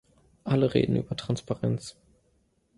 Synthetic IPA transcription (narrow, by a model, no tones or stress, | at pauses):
ʔaləʁḛːdn̩ʔy̰ːbɐtʁ̥anspaʁɛnt͡s